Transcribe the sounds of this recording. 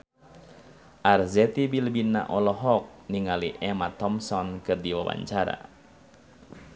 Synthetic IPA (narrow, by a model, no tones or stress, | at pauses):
ʔarzɛt̪ibilbina̰ʔɔlɔɦɔk̚niŋaliʔɛmat̪ɔmsɔnkɨrdiwawa̰ɲt͡ʃaɾa̰